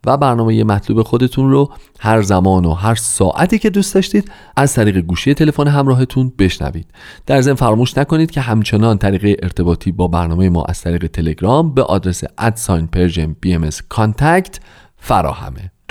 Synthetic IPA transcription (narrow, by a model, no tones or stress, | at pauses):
væbæɾnɒːmeje̞mæt̪ʰluːbe̞xo̞d̪e̞t̪ʰunro | hæɾzæmɒːnoɦæɾsɒ̰ːʔæt̪ʰiːce̞d̪uːstd̪ɒːʃt̪iːd̪̥ | æzt̪ʰæɾiːɣe̞ɡuːʃije̞t̪ʰe̞le̞foneɦæmɾɒːɦet̪ʰunbe̞ʃnæ̰vḭːd̪̥d̪̥æɾze̞nfæɾɒːmuːʃnækoniːd̪̥cʰʲe̞ɦæmt͡ʃʰe̞nɒːnt̪ʰæɾiːɣejeʔeɾt̪ʰe̞bɒːt̪ʰiːbɒːbæɾnɒːme̞jemɒ̰ːʔæ̰z̥t̪ʰæɾiːɣe̞t̪ʰe̞le̞ɡɾɒːmbe̞ʔɒ̰ːd̪ɾe̞sḛʔæt̪sɒjnpʰe̞ɾʒenb̥iemeskʰɒnt̪ʰæct̪ | fæɾɒ̰ːhæ̰me